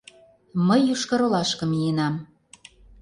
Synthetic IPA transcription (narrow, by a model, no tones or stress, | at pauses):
məjːuʃkɤɾolɑʃkɤ̆mienɑm